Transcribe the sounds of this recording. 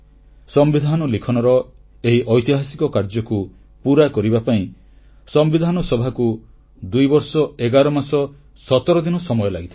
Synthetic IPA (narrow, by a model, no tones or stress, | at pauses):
sɔmbid̪ʱanɔlikʰɔnɔɾɔ | eɦiʔɔjt̪iɦasi̥kɔkaɾd͡ʒɔku | puɾakɔɾibapaĩ | sɔmbid̪ʱanɔsɔbʱaku | d̪ujbɔɾsɔeɡaɾɔmasɔ | sɔt̪ɔɾɔd̪inɔsɔmɔjɔlaɡit̪ʰ